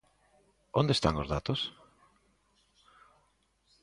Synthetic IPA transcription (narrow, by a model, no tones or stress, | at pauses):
ond̪est̪aŋozðat̪ʊs